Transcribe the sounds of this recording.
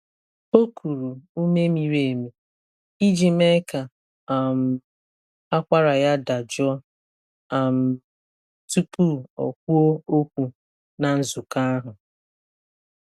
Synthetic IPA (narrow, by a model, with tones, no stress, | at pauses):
o˦kʰu˨ɾu˨u˦me˦mi˨ɾe˨e˨mi˨ | i˦d͡ʒi˦me˦ka˨ | a˨m̩˨ | a˦kʷa˦ɾa˨ja˦da˨d͡ʒɔ˦ | a˨m̩˨ | tu˦pu˦ɔ̰˨kʷu˦o˦o˦kʷu˨ | na˨n̩˦zʊ˨ka˦a˦ɦʊ˨